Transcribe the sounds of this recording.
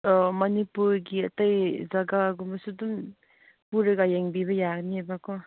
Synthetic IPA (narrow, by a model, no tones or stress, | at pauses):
mɐnipuɾɡiɐtajzaɡaɡumbɐsudum | puɾɐɡajeŋbibɐjaɡniabakɔ